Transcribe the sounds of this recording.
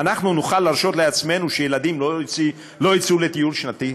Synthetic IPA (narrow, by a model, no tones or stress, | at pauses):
anaχnunuχalːaʁʃo̞t̪le̞at͡sme̞nuʃejelad̪imlot͡si | lo̞jit͡sule̞t̪ijulʃnat̪i